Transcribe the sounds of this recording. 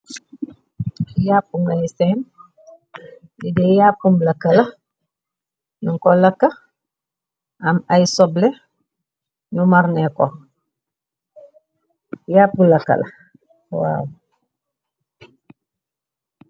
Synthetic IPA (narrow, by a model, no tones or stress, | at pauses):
jaːpːuŋɡajsɛn | idɛjapːumblɐkːɐlɐ | nuŋkɔlɐkːɐ | ʔɐmajsɔblɛ | numaɾnɛkɔ | japːulakːɐ̰lɐ̰ | wa̰w